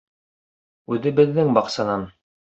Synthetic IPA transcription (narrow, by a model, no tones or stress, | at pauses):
ʉðɘbɘ̆ðːɘŋbɑqsɑnɑn